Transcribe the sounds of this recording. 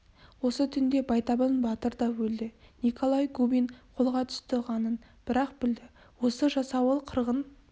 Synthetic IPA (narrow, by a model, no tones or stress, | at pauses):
wo̞sət̪ʰʏnd̪e̞bɑjt̪ɑbənbɑt̪əɾd̪ɑwɵld̪ɪnikʰolˠɑjɡubijnqʰo̞lˠʁɑt̪ʰʏ̥st̪ɪʁɑnən | b̥ɪɾɑq̚bɪld̪ɪ | wo̞səʒɑsɑwəlˠqʰəɾʁən